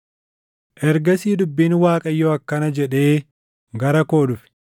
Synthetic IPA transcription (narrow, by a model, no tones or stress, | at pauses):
ʔɛɾɡɐsiːd̪ʊbːiːnwaːkʼɐjːɔɐkːɐnɐd͡ʒɛᶑe̞ː | ɡɐɾɐko̞ːᶑʊfɪ̥